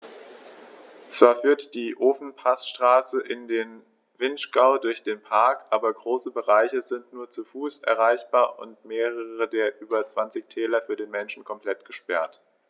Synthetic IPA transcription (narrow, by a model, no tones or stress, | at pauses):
t͡sv̥aːɐfyːɐtd̥iːʔoːfn̩pʰasʃtʁ̥aːsəʔɪndeːn | vɪnʃɡ̥aʊdʊɐçd̥eːnpʰaɐkʔaːbɐɡʁoːsəbəʁaɪçəzɪntnuːɐt͡sufuːsʔɛ̰ɐʁ̞aɪçb̥aːɐʔʊ̰ntmeːʁəəʁədeːɐʔyːbɐt͡sv̥ant͡sɪçtʰɛːlɐfyːɐdeːnmɛnʃn̩kʰɔmpl̥ɛtɡ̥əʃpɛɐt